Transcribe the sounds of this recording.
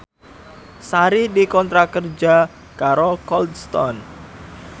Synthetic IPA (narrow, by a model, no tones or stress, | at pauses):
saɾidikɔnt̪ɾakərd͡ʒa | kaɾɔlkɔld̪st̪ɔ̰n